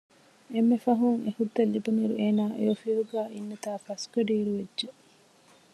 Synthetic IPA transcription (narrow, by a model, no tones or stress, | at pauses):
emːefɐɦuŋehud̪ːɐlːibɐmiɾueːnaːʔejofiʋuɡæːʔinːɐt̪aːfɐskɐɖiːɾuʋedʒe